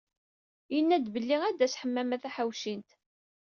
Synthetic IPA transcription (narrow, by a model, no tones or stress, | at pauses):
jənːæd̪bəlːiʁæd̪æsħəmːæmæθæħawʃint̪